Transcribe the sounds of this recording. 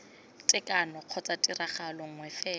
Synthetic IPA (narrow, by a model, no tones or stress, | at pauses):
tʼɪkʼanɔq͡χʰɔt͡sʼatʼiraχalɔŋ̩wɛfɛː